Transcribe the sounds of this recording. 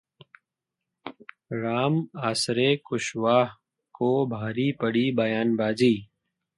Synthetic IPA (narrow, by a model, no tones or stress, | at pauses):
ɾaːmaːsɾekʊʃʋaːɦ | kobʱaːɾipəɽibɐjaːnbaːd͡ʒiː